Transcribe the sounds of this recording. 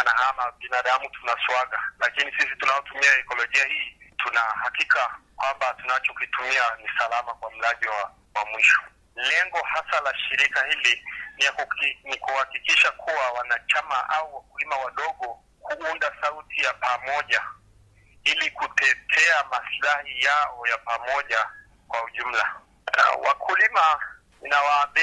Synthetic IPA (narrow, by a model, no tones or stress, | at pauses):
anahamaɓinaɗamutunaswaɠalakinisisitunaɔtumiaɛkɔlɔʄiahiːtʰunahakikakwambatunat͡ʃɔkuitumianisalamakwam̩laʄiwa | wamwiʃɔ̥ | lɛŋɡɔhasalaʃiɾikahilinijakunikuhakikiʃakʰuwawanat͡ʃamaʔauwakulimawaɗɔɠɔ | kuundasautʰijapamɔʄa | ilikutɛtʰɛamaslahijaɔjapamɔʄa | kwauʄum̩la̰ | wa̰kʰulima | inawaːmbi